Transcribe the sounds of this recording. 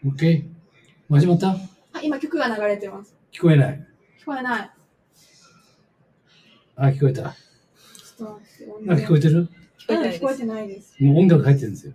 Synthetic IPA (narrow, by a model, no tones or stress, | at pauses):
oke̞ | maʑimat̪ːa | aimakʲo̞kɯ̟ɡanaɡaɾe̞t̪emasɨ̥kʲi̥ko̞e̞nai | kʲi̥ko̞enai | akʲi̥koet̪a̰ | st̪snaki̥ko̞et̪̬e̞ɾɯ | kʲi̥koet̪akʲi̥ko̞et̪enaid̪esɨ̥moõŋɡakɯ̟hait̪ːeɯ̟nesɨjo